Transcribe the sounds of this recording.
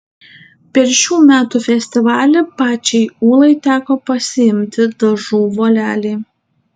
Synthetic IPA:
pʲɛɾʃʲuːmʲæːt̪uːfʲɛsʲt̪ʲɪʋɑːlʲɛpɑːt͡ʃʲɛɪuːlˠɐɪt̪ʲæːkoːpɐsʲɪɪmʲt̪ʲɪd̪ɐʒuːʋoːlʲæːlʲɛː

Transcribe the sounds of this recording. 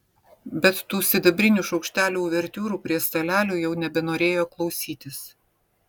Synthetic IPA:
bʲɛt̪ːuːsʲɪd̪ɐbʲɾʲɪnʲuːʃɒʊkʃʲt̪ʲæːlʲuʋʲɛɾʲt̪ʲuːɾuːpʲɾʲiɛst̪ɐlʲæːlʲuːjɛʊnʲɛbʲɛnoːɾʲeːjoːklˠɒʊsʲiːt̪ʲɪs

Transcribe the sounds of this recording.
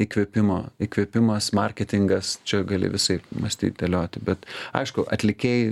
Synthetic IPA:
ɪkʋʲeːpʲɪmoːikʋʲeːpʲɪmɐsmɐrʲkʲɛt̪ʲɪŋɡɐst͡ʃʲɛɡɐlʲɪ̰ʋʲɪsɐɪmɐsʲt̪ʲḭːt̪̚d̪ʲɐlʲoːt̪ʲɪbʲɛt̪ɐ̰ɪʃkʊʔɐt̪ʲlʲɪkʲeɪ

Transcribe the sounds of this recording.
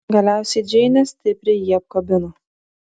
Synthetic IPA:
ɡɐlʲæˑʊsʲɛɪd͡ʒʲɛɪnʲɛsʲt̪ʲɪpʲɾʲɪjiɐp̚kɐbʲɪnu

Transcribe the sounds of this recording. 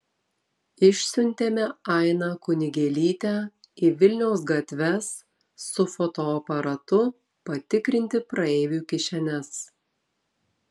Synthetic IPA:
ɪʃʲsʲʊnʲt̪ʲeːmʲɛɑˑɪnɑkʊnʲɪɡʲɛlʲiːt̪ʲæ | ɪʋʲɪlʲnʲɛʊs̬ɡɐt̪ʲʋʲɛsː | ʊfɔt̪oːpɐɾɐt̪ʊ | pɐt̪ʲɪkɾʲɪnʲt̪ʲɪpɾɐeːʋʲuːkʲɪʃʲɛnʲɛs

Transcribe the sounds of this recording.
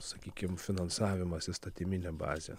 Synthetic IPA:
sakʲikʲemfinansaːvimasist̪at̪iminɛba̰zʲa̰

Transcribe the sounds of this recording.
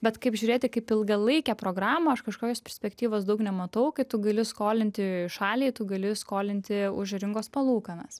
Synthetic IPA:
bʲɛt̪kɐɪpʒʲuːɾʲeːt̪ʲɪkɐɪpɪlˠɡɐlˠɐɪkʲɛːpɾoːɡɾɑːmɐɐʃkɐʃkoːkʲoːspʲɛɾʲsʲpʲɛkt̪ʲiːʋoːs̬d̪ɐʊknʲɛmɐt̪ɐʊkɐɪt̪ʊɡɐlʲɪskoːlʲɪnʲt̪ʲɪʃɑːlʲiːt̪ʊɡɐlʲɪskoːlʲɪnʲt̪ʲɪʊʒɾʲɪŋɡoːspɐlˠuːkɐnɐs

